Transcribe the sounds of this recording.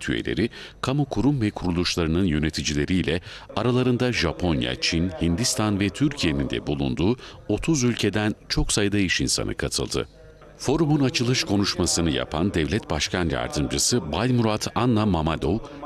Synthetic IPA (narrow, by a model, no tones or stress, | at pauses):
t̪ʰyḛlʲe̞̰ɾikʰamukʰuɾumvɛkʰuɾulˠuʃlˠaɾɯnɯnjø̞ne̞t̪ʰid͡ʒilʲe̞ɾijlʲɛaɾalˠaɾɯnd̪aʒapʰo̞nja̰t͡ʃʰinhind̪ist̪ʰanvɛt̪ʰyɾcʰije̞nind̪ɛ̰bulˠṵnd̪uːo̞t̪ʰuzylʲcʰe̞d̪ænt͡ʃʰo̞ksajɯd̪aiʃinsa̰nʔɯ̰kʰat̪ʰɯ̰lˠd̪ɯ̰ | fo̞ɾumunat͡ʃʰɯlˠɯʃkʰo̞nuʃmasɯnɯja̰pʰand̪ɛvlʲɛt̪̚baʃkʰanja̰ɾd̪ɯmd͡ʒɯsɯbalʲmuɾat̪ʰanːamamad̪ow